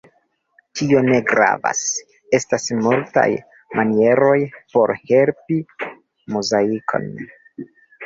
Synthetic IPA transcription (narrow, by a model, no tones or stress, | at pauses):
tio̞ne̞ɡɾa̰va̰s | e̞stasmulta̰j | mʔanie̞ɾo̞jpo̞ɾhe̞lpi | muzaikʰo̞̰n